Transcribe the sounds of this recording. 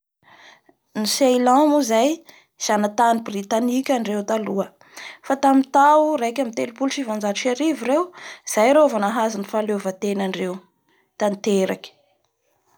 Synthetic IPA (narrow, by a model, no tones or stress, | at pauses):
nisejlãmuzaj | z̥anat̪anibrit̪anikʲaɳɖ͡ʐewt̪aluə | fat̪amit̪auɾajkʲamit̪elpulʈ͡ʂivand͡ʒat͡ʃaɾiviɾewz̥ajɾovanaɦazinifalevat̪enaɳɖ͡ʐew | t̪ant̪eɾakʲə̥